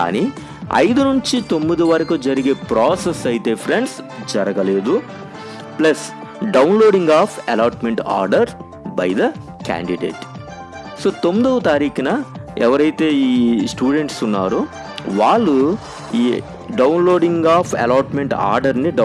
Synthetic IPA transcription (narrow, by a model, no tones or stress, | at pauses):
ka̰ːni | ɐ̰jd̪unuɲt͡ʃit̪o̞mːid̪iʋɐɾɐkud͡ʒɐɾiɡeːpɾaːsesɐjit̪eːpʰɾeɳɖsd͡ʒɐɾɐɡɐle̞ːd̪u | plɐs | ɖɐwnloːɖiŋɡaːpʰɐ̰laːʈmeɳʈa̰ːɾɖɐɾ | bɐ̰jd̪ɐ | ka̰ːɳɖiɖḛːʈ | soːt̪o̞mːid̪ɐʋɐt̪aːɾiːkɐnɐɛʋɐɾɐjt̪e̞ːiːsʈuːɖe̞ɳʈsunːaːɾu | ʋaːɭːu | iː | ɖɐwnlo̞ːɖiŋɡaːpʰɐ̰laːʈmeɳʈa̰ːɾɖɐɾniɖ